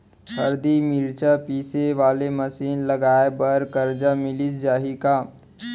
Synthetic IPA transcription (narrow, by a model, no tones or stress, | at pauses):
ɐɾd̪imɪɾt͡ʃapiːseʋaːlemɐsiːnlɐɡaːebɐɾkɐɾd͡ʒamɪlisd͡ʒaːɦikaː